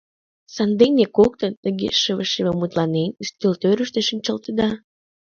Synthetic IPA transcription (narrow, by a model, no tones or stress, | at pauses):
sɑnd̪enekok̚t̪ənnəɡḛʃəβəʃememut̪lɑnenyst̪ølt̪øɾəʃt̪eʃənʲt͡ɕəlt̪əd̪ɑ